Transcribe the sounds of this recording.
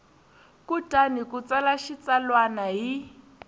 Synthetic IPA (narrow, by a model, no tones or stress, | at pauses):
kutʼanikut͡salaʃit͡salwanaɦi